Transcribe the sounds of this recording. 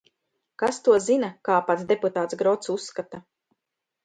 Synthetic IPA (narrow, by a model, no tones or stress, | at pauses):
kast̪uɔzinakaːpat̪sd̪eput̪aːt̪sɡɾɔt̪susːkat̪a